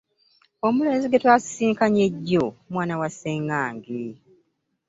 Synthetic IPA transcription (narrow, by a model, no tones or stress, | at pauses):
o̞mule̞ːnziɡe̞twaːsi̥siːŋkaɲe̞ɟːomwaːnawaseŋaːŋɡi